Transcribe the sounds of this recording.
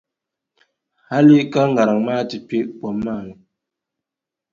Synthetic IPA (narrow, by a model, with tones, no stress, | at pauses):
ha˦li˦ka˦ŋ˨ɡa˨ɾa˨ŋma˦˨ti˨pe˦ʔpɔ˨mːa˦˨ɾɛ˨